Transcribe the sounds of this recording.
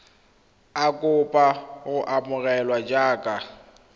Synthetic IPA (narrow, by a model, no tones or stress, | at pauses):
akʼʊpʼaɣʊʔamʊɣɛlwad͡ʒaːkʼa